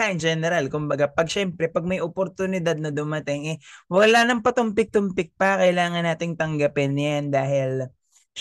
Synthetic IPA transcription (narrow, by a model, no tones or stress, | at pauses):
aʔɪnd͡ʒɛnɛɾalkʊmbɐɡapɐɡ̚ʃɛmpɾɛpɐɡ̚mɐjʔopoɾt̪ʊnɪd̪ad̪̚nɐd̪ʊmɐt̪ɪŋɛwɐlanɐŋpɐt̪ʊmpɪk̚t̪ʊmpɪk̚pɐkɐjlaːŋɐnːaːt̪ɪŋt̪ɐŋɡɐpɪnjand̪aːɦɪl